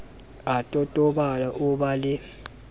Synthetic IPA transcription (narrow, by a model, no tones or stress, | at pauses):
atʼɔtʼɔɓalaʔuɓalɪ